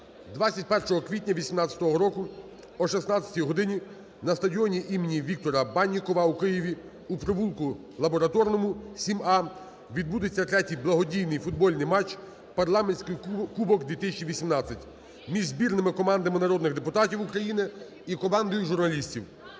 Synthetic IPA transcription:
d̪ʋat͡sʲɐtʲpɛrʃɔɦɔkʋʲitʲnʲɐʋʲisʲimnɑt͡sʲːɐ̥t̪ɔɦɔɾɔkʊ | ɔʃɛsnɑt͡sʲːɐ̥tʲijɦɔd̪ɪnʲi | nɐst̪ɐdʲiɔnʲiʔimenʲiʋʲik̚t̪ɔɾɐbɑnʲːikɔʋɐukɪjiʋʲi | upɾɔʋulˠkʊ | lˠɐbɔɾɐt̪ɔrnɔmʊsʲimɑ | ʋʲid̪̚bud̪et͡sʲːɐt̪ɾɛtʲijblˠɐɦɔdʲijnɪjfʊd̪bɔlʲnɪjmɑt͡ʃ | pɐrlˠɑmenʲsʲkɪjkubɔkd̪ʋʲit̪ɪs̬ʲt͡ʃiʋʲisʲimnɑt͡sʲːɐtʲ | mʲiʒzbʲirnɪmɪkɔmɑnd̪ɐmɪnɐɾɔd̪nɪɣd̪epʊt̪ɑtʲiwukɾɐjinɪ | ikɔmɑnd̪ɔjʊʒʊrnɐlʲisʲtʲiw

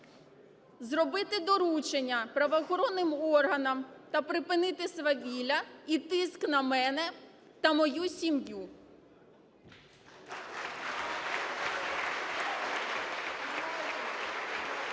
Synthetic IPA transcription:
zrɔbɪt̪ɪd̪ɔɾut͡ʃenʲːɐpɾɐʋɔxɔɾɔnːɪmɔrɦɐnɐmt̪ɐpɾɪpɪnɪt̪ɪsʋɐʋʲilʲɐit̪ɪsknɐmɛnɛ | t̪ɐmɔjusʲimju

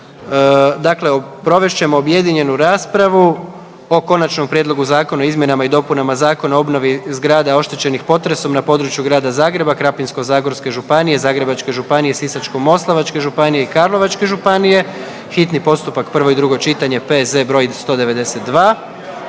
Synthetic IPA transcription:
d̪akle̞opɾo̞ʋe̞ʃt͡ɕe̞mo̞ːbje̞d̪iɲe̞nuɾaːspɾaʋu | o̞ko̞nat͡ʃno̞mpɾjed̪lˠo̞ɡuzaːko̞naoizmʲje̞namaid̪o̞punamazaːko̞naoo̞bno̞ʋizɡɾaːd̪ao̞ʃt̪e̞t͡ɕe̞nixpo̞t̪ɾe̞so̞mnapo̞ːd̪ɾut͡ʃjuɡɾaːd̪azaːɡɾe̞bakɾapinsko̞zaːɡo̞ɾske̞ʒupanije̞zaːɡɾe̞bat͡ʃke̞ʒupanije̞sisat͡ʃko̞mːo̞slˠaʋat͡ʃke̞ʒupanijeikaɾlˠo̞ʋat͡ʃke̞ʒupanije̞ | xit̪nipo̞st̪upakpr̩ʋo̞id̪ɾuɡo̞t͡ʃit̪aɲe̞pezd̪ebɾo̞jist̪o̞ːd̪e̞ʋe̞d̪e̞se̞t̪̚d̪ʋaː

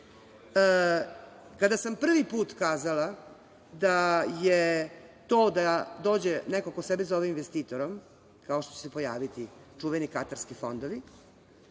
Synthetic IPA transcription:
kad̪asampr̩ʋipuːt̪kaːzala | d̪ajet̪o̞ːd̪ad̪o̞ːd͡ʑenekokosebezoʋeminʋest̪iːt̪o̞ɾom | kaoʃt̪ot͡ɕesepo̞jaːʋit̪it͡ʂuʋenikat̪aɾskifo̞nd̪oʋi

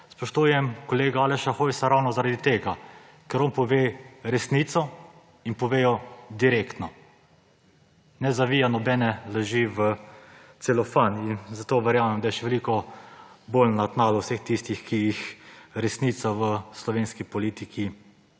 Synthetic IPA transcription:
spɔʃt̪uːjɛmkɔleːɡaalɛʃaxojsaɾawnɔzaɾad̪it̪eːɡa | kɛɾɔnpɔʋeːɾɛsnit̪sɔ | inpɔʋeːjɔd̪iɾekt̪nɔ | nɛzaʋijanɔbɛnɛlɛʒiʋət̪selɔfaninzat̪oːʋɛɾjaːmɛmd̪ajɛʃɛʋɛlikɔ | bolnat̪naːlɔwsext̪ist̪ixkijixɾɛsnit̪saʋəslɔʋeːnskipɔliːt̪ikʰi

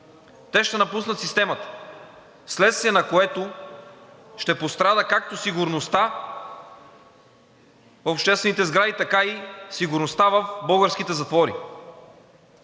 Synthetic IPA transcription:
t̪ɛʃt̪ɛnɐpus̬nət̪sist̪ɛmɐt̪ə̥ | slɛt̪st̪viɛnɐkoɛt̪o | ʃt̪ɛpost̪ɾad̪əkak̚t̪osiɡʊɾnost̪a | fopʃt̪ɛst̪vɛnit̪ɛzɡɾad̪it̪ɐkaisiɡʊɾnost̪avəfbɤɡəɾsk̟it̪ɛzɐt̪vɔɾḭ

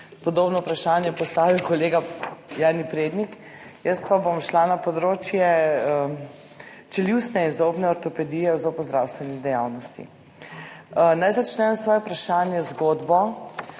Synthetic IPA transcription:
pɔd̪oːbnɔupɾaʃaːnjɛpɔst̪aːʋiwkɔleːɡajaːnipɾeːd̪nik | jəst̪̚pabomʃlanapɔd̪ɾoːt͡ʃjɛ | t͡ʃɛliwsnɛinzopnɛɔɾt̪ɔpɛd̪iːjɛzɔpɔzd̪ɾawst̪ʋɛnid̪ɛja̰ːwnɔst̪ḭ | najzat͡ʃnɛmsʋɔːjɛupɾaʃaːnjɛzɡoːd̪bɔ

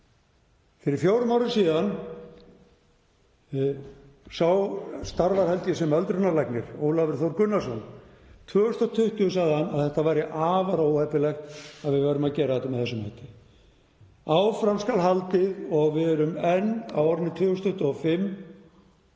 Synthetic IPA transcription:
fɪɾɪɾ̥fjoːwɾʏmawɾɪnsiːðan | sawst̪aɾvaɾ̥hɛlt̪jʏsɛmœlt̪ɾʏnaɾlajknɪɾ̥oːwlavɪɾ̥θowɾkʏnːasɔn | t̪ʰvœːʏst̪aɔt̪ʰʏht̪ʏʏsaðanaðθɛht̪avajɾɪʔaːvaɾowhɛpːɪlɛxt̪aðvɪðvaːɾʏmacɛːɾaat̪ɪmɛðθɛsʏma̰jt̪ɪ̥ | aːwfɾamskalɦalt̪ɪðɔɣvɪɛɾʏmɛnːa̰wɾɪnɪt̪ʰvœːɣʏst̪ʏht̪ʏɔfɪmː

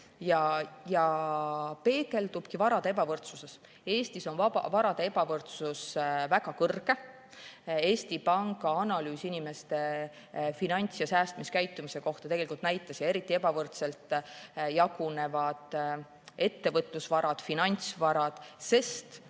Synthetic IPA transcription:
jɑjɑ | pe̞ːke̞lt̪ub̥kivɑɾɑd̪̥eepɑvɤrt̪suse̞s | e̞ːst̪iso̞nvɑɑ̰vɑɾɑd̪̥ee̞bɑvɤrt̪susvæɡɑkɤrɡe̞ | e̞ːst̪ipɑŋɡ̥ɑɑnɑlyːsinime̞st̪e̞ | finɑnʲt̪sjɑsæːst̪miskæjt̪ːumise̞ko̞ht̪ɑt̪e̞ɡelikult̪næjt̪ˑːɑsjɑe̞ɾit̪ˑːie̞bɑvɤrt̪se̞lt̪ˑjɑɡ̥une̞vɑd̪̥ | e̞t̪ːe̞vɤt̪ˑlusvɑɾɑd̪̥finɑnʲt̪svɑɾɑd̪̥se̞st̪

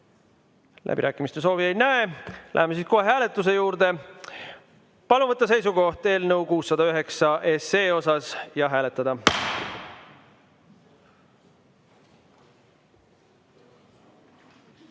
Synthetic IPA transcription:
lʔæ̰b̥ḭɾæːkːˑimist̪e̞s̬o̞ːviejnæelæ̰ɦemesiːskoɦeɦæːle̞t̪ːˑus̬e̞juːɾd̪̥e̞ | pɑluvɤt̪ːˑɑse̞js̬uɡo̞ht̪e̞ːlnəwkuːsːɑd̪̥ɑyɦe̞ksɑʔe̞se̞ːo̞sɑsjɑɦæːle̞t̪ːˑɑd̪̥ɑ

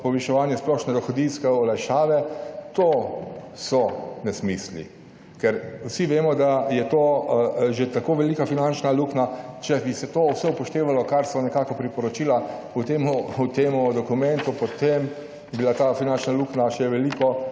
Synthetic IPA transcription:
pɔʋɛʃɛʋaːnjɛsplɔʃnɛd̪ɔxɔd̪inskɛɔlajʃaːʋɛt̪oːsɔnɛsmislḭ | kɛɾwsiʋeːmɔd̪ajɛt̪oːʒet̪akoːʋɛlikafinant͡ʃnaluknat͡ʃɛbisɛt̪oːwsɛupɔʃt̪eːʋalɔkaɾsɔnɛkaːkɔpɾipɔɾɔt͡ʃiːla | ut̪eːmuut̪eːmud̪ɔkumɛ̃nt̪upɔt̪em | jɛbilat̪afinant͡ʃnaluknaʃɛʋɛlikɔ

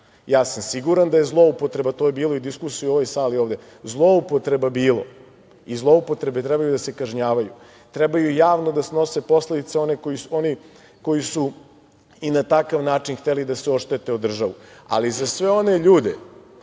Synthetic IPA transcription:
jaːsamsiɡuɾand̪ajezlˠo̞upo̞t̪ɾe̞bat̪o̞jebiːlˠoid̪iskusijuo̞ʋojsaːlioːʋd̪e̞ | zlˠo̞upot̪ɾe̞babiːlo̰ | izlˠo̞upo̞t̪ɾe̞bet̪ɾɛbajud̪ase̞kaʒɲaːʋaju | t̪ɾɛbajujaːʋnod̪asno̞se̞po̞sled̪it̪seo̞nekojio̞ni | ko̞jisu | inat̪akaʋnaːt͡ʃinxt̪elid̪aseo̞ʃt̪et̪e̞od̪r̩ʒaʋua̰lizasʋe̞o̞ne̞ʎuːd̪ḛ

